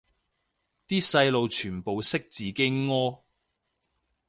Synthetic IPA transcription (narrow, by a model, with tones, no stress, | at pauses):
t̪iː˥sɐ˧jlo˨˧wt͡ʃʰyː˨˩npo˨wsɪ˥k̚t͡siː˨˧ke˥ŋɔː˥